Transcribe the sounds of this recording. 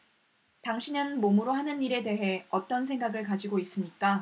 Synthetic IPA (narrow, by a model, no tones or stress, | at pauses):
taŋɕʰinɯnmomuɾoɦanɯniɾe̞de̞ɦe̞ʌt͈ʌnsʰe̞ŋɡaɡɯɭkad͡ʑiɡois͈ɯmɲik͈a